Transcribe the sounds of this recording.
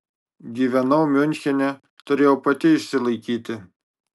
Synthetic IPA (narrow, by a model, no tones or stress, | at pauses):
ɡʲiːʋʲɛnɐʊmʲʊnʲxʲɛnʲɛ | t̪ʊɾʲeːjoːpɐt̪ʲɪɪʃʲsʲɪlˠɐɪkʲiːt̪ʲɪ